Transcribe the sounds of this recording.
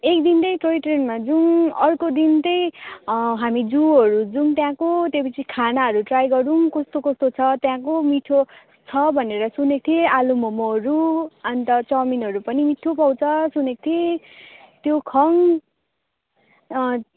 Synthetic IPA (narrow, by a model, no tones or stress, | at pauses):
ek̚d̪int̪ʌjʈroiʈrenmad͡zunʌrkod̪int̪ʌj | ɦamid͡zuɦʌɾud͡zuŋt̪jãkot̪jepʌt͡sʰikʰanaɦʌɾuʈrajɡʌɾuŋkʌst̪okʌst̪ot͡sʰʌt̪jãkomiʈʰo | t͡sʰʌbʱʌneɾʌsunek̚t̪ʰiealumʌmoʌɾuʌnt̪ʌt͡sʌminɦʌɾupʌnimiʈʰopʌw̃t͡sʰʌsunek̚t̪ʰie | t̪jokʰʌŋ